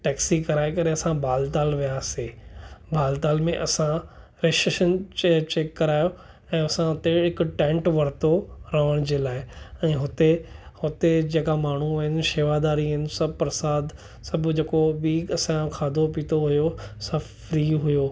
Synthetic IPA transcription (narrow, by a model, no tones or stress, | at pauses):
ʈɛːksikɐɾaːekɐɾeɐsãbʱaːlt̪aːlʋijaːseːbʱaːlt̪aːlmẽʔɐsã | ɾeːʃeʃənet͡ɕeːkːɐɾaːjo | ɛ̃ːɐsãɦʊt̪eɦɪkʊʈɛ̃ːɳʈʋɐɾt̪oɾɐʋəɽ̃d͡ʑeːlaːɪɛ̃ːɦʊt̪ehʊt̪ed͡ʑeːkamaːɳ̤uʋɐnʃeːʋad̪aːɾiɦɪnɪ̆sɐbpɾɐsaːd̪ | sɐbʱd͡ʑeːkobiːɐsãkʰaːd̪ʱopiːt̪ʰoɦʊjosɐbfɾiːɦʊjoː